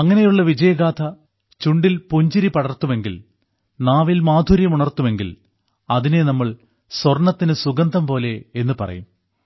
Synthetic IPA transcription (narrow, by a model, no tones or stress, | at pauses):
ɐŋːɐne̞juɭːɐʋid͡ʑɐjɐɡaːt̪ʰɐ | t͡ɕuɳɖilpuɲd͡ʑiɾipɐɽɐrt̪ːume̞ŋɡil | naːʋilmaːd̪ʱuɾjɐmuɳɐrt̪ume̞ŋɡḭl | ɐðine̞nɐmːɐɭ | swɐrɳɐt̪ːinɨsuɡɐnd̪ʱɐmpo̞ːle̞enːɨpɐ̰rɐ̰jum